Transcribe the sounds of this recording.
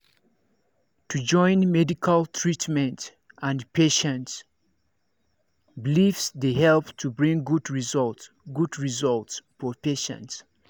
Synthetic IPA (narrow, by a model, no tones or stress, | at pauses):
tʰud͡ʒɔ̃ɪ̃nmɛdikʰaltʰɹitmɛ̃nt | ʔãnpʰeʃə̃nts | bilifsdehɛlptʰubɹĩŋɡudɹizɔlt | ɡudɹizɔltsfɔpeʃə̰̃nts